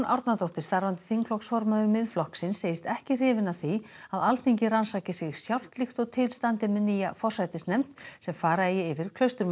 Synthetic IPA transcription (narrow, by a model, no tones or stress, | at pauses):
nʔaɾt̪nat̪ɔht̪ɪɾ̥st̪aɾvant̪ɪ̥θiŋkʰlɔksfɔɾmaðʏɾmɪðflɔhksɪnsːeːjɪst̪ɛhcɪr̥ɪːvɪnaθiaðalt̪ʰeɲcɪransaːcɪsɪɣsjawr̥t̪lixt̪ɔɣt̪ʰɪlst̪ant̪ɪmɛðnijafɔr̥sajt̪ɪsnɛm̥t̪sɛmfaːɾaðɪjɛɪvɪɾkʰlœɥst̪ʏɾm